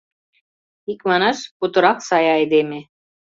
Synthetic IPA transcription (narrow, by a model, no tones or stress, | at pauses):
ikmɑnɑʃput̪ŏɾɑqsɑjɑjd̪eme